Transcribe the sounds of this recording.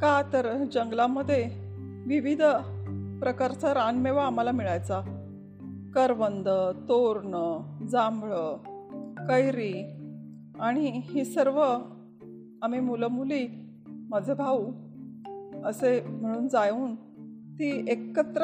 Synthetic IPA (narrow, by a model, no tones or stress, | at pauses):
kat̪əɾd͡ʑəŋɡlamːəd̪ʱːje | ʋiʋid̪ʱpɾəkaɾt͡saɾanmeʋaːmalamiɭajt͡sa | kəɾʋənd̪ʱət̪oɾɳəd͡zambɭə | kəjɾi | aɽ̃ihiːsəɾʋə | amimuləmuliː | məd͡zʱebʱau | əsem̤əɽ̃uːnd͡zajuːn | t̪iːekət̪ɾ